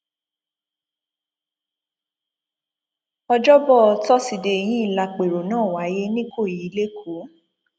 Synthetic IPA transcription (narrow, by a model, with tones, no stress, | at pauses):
ɔ˧d͡ʒɔ˦bɔ˦˨ɔ˧tɔ˦si˧de˧e˧jĩ˦i˦˨la˧k͡pe˨ɾo˨nãː˦˨wa˨˦je˦nĩ˦ko˦˨ji˨˦le˦kʰo˨˦